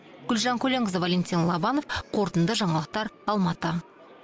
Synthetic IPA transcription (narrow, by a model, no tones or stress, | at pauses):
ɡ̥ʲʏlʒɑŋkʲʰɵle̞ŋəzvalʲenʲt̪ʲinlˠɑbɑno̞fqʰo̞ɾt̪ənd̪əʒɑɴɑlˠəq̚t̪ɑɾɑlˠmɑt̪ə